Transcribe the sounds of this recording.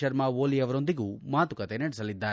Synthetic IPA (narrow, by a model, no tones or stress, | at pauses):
ɐɾmaʋoːliɐʋɐɾo̞nd̪iɡuːmaːt̪ukɐt̪enɐɽɛsɐlid̪ːaːɾ